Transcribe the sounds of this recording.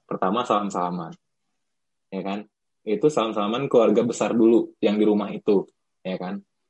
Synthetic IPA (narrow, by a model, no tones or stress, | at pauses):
pərt̪amasalamsalaman | jakan | it̪usalamsalamankəluarɡabəsardulujaŋdiɾumaɦit̪u | jakan